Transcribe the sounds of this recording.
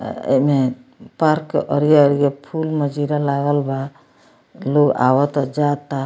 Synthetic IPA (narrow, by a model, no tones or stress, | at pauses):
ḛmepaɾkːḛʔəɾjaəɾijapʰulməd͡ʒiɾalaɡəlba | loɡa̰wɔt̪ɔd͡ʒat̪ːa